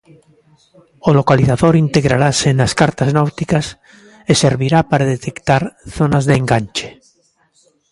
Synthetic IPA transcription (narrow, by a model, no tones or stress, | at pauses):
olokaliθaðoɾint̪eɣɾaɾasenaskaɾt̪aznawt̪ikas | eseɾβiɾapaɾaðet̪ekt̪aɾθonazðeːŋɡanʲt͡ʃe̥